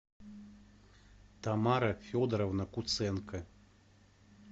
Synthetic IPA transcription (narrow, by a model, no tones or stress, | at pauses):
t̪amaɾɐfʲɔd̪ɐɾɐwnɐkut̪sɛnkɐ